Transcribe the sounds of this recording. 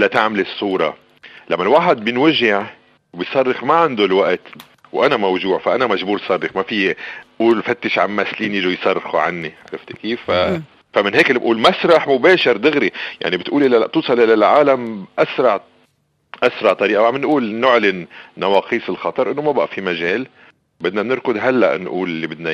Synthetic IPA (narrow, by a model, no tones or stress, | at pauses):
ʔɪlːat̪aʕmalɨsˤːuːɾˤɑ̰ | lamːalwaːħɪd̪̚bjɪnwaʒːɪʕ | wbɪjsˤɑrˤːɪxmaʕand̪ʊlwaʔt̪ | wʔanamawʒuːʕfaʔanamaʒbuːɾsˤɑrˤːɪxmafiʔuːlfat̪ːɪʃʕa̰mːaʔsliːnjɪʒujsˤɑrˤːxuʕa̰nːiʕa̰ɾˤɪft̪ɪkiːfːa | famɪnɦeːkɪlːibʔuːlmasɾˤɑħmʊbeːʃɪɾd̪ɪɣɾija̰ʕnibɪt̪ʔuːlʔɪlːaaʔt̪uːsˤɑlʔɪlalʕaːlamʔasɾˤɑʕ | ʔasɾˤɑʕt̪ˤɑɾiːʔawʕamɪnʔuːlnʊʕlɪnːɑwɑːqiːsɪlxɑt̪ˤɑɾˤʔɪnːomabaʔafimaʒeːl | bɪd̪nanɪɾkʊd̪ɦalːa̰ʔnʔuːlɪlːibɪd̪na